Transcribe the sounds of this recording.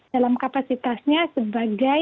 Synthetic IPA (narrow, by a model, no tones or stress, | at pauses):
alamkapasit̪asɲasəbaɡa